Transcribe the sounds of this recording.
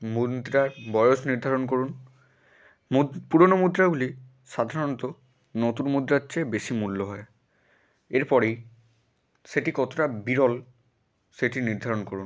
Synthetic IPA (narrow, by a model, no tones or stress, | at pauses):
mudd̪ɾaɹbɔjosniɾd̪ʱaɹɔnkoɹun | puɹɔnomud̪ɾabuli | sad̪ʱaɹɔnt̪ɔ | not̪unmud̪ɾatːt͡ʃebesimulːɔɦɔj | eɹpɔɹej | setikɔt̪ʰotabiɾɔl | seʈiniɹd̪ʱaɹɔnkoɹun